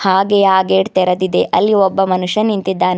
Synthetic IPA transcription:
haːɡejaːɡeːɖt̪ɛɾɐd̪id̪eʔɐlːiɔbːɐmɐnuʂɐnːint̪id̪ːaːn

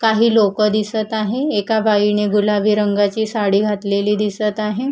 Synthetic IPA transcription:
kaɦiːlokəd̪isət̪aɦeekabʱaiɳeɡulaʋiːɾəŋɡat͡ɕiːsaɽiːɡʱat̪leliːd̪isət̪aɦe

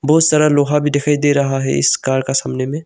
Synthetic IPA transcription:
bɔːʊt̪sɐɾaloːɦabʱid̪ekʰaːid̪eɾɐɦaɦɛ̰ɪ̰skaːɾkasaːmnemẽ

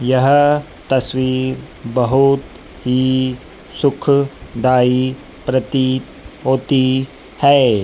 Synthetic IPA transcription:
jɐɦ | t̪ɐswiːɾ | bəɦʊt̪ | ɦi | sʊkʰd̪aːi | pɾət̪i | oːt̪i | hɛː

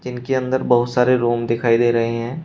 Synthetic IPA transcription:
d͡ʒɪnkeɐ̃nd̪əɾbɐɦʊt̪saːɾeɾoːmd̪ɪkʰaːid̪eːɾɐɦeɦɛ̃ː

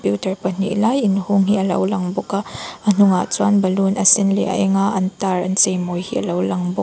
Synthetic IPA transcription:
pjutɐɹpɐn̥ḭʔlajɪnhuŋɦiɐlɐ̰wlɐŋbɔkaʔɐn̥uŋa̰t͡swanbɐlunɐsɪnlḛʔɐ̰ʔɛŋaʔɐntaɾɐ̰nt͡sejmojhḭʔɐlɐwlɐŋbɔk

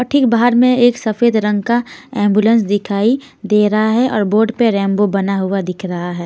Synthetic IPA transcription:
ɔːɾʈʰiːk̚baːɦəɾmẽeːksɐfeːd̪ɾə̃ŋɡkaɛ̃ːmbjulə̃ns̬d̪ɪkʰaːi | d̪eːɾɐɦaɦɛʔɔːɾboːɾɖpeɾɛ̃ːmbobɐnaɦʊad̪ɪkʰɾɐɦaɦɛː

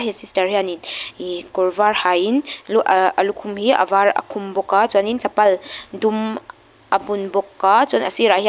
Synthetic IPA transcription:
ɦesistɐɾhianinikɔɾvaɾhajinluʔɐlukʰumhiɐ̰vaɾɐ̰kʰumbɔkːat͡sɔnint͡sɐpɐldum | ɐbunbɔkːat͡sɔnɐ̰siɾahi

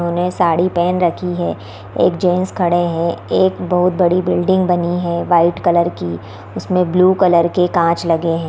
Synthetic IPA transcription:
ɦõːnesaːɽipɛːnɾɐkʰiɦɛː | ḛːkd͡ʒeːnskʰɐɽeɦɛ̃eːkbɐɦʊt̪̚bɐɽibɪlɖɪ̃ŋɡbɐniɦɛ̃ʋaːɪʈkɐləɾki | ʊsmẽbluːkɐləɾkekãːt͡ʃlɐɡeɦɛ̃ː

